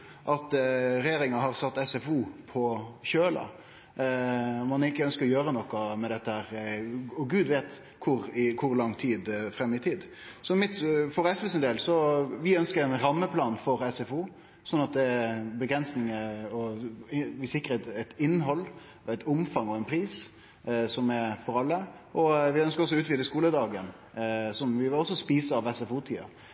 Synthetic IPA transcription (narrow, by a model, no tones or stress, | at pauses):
ʔɑt̪ɾɛjeːɾɪŋɑɦɑɾsɑt̪ːɛsɛfuːpʰɔçøːlɑ̰ | mɑnɪkəœnskəɾɔjøːɾənɔkːɑmɛd̪ɛt̪ːəhæːɾɔɡʉːd̪ʋeːt̪ | kʰʊɾɪkʰʊɾlɑŋːt̪ʰiːd̪fɾɛmjət̪ʰiːd̪ | sɔmɪt̪fɔɾɛsʋɛsənd̪eːlsɔʋɪœnskəɾɛnɾɑmːəpʰlɑːnfɔɾɛsɛfuː | sɔnːɑt̪̚d̪ɛɛbəɡɾɛnsnɪŋəɔ | ʋɪsɪkːɾəɛt̪ɛt̪ɪnːɦɔlː | ɛɪt̪ʊmfɑŋɔɛnpʰɾiːs | sɔmɛɾfɔɾɑlːə | ʔɔʋɪœnskəɾɔsːɔʉːt̪ʋiːd̪əskuːləd̪ɑːɡən | sɔmʋɪʋɪɔsːɔspiːsəɑʋɛsɛfuːt̪ʰḭːɑ̰